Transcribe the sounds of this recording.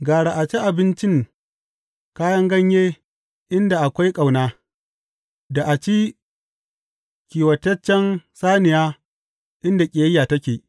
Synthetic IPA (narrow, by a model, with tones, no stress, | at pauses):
ɡaː˨ɽa˨ʔa˨t͡ʃi˦ʔa˨bɪ˦nt͡ʃɪ˦ŋ | kaː˦jɐ˦ŋɡɐ˦ɲjeː˦ | ʔɪ˦nda˨ʔa˨kʷa˦jkʼa˨wnaː˦ | da˨ʔa˨t͡ʃi˦ | kʲiː˨wɐ˨tɐ˦t͡ʃːɛ˦nsaː˦nɪ˨jaː˦ | ʔɪ˦nda˨kʲʼe˨jɐ˦jːaː˨tɐ˦kʲeː˨ʔ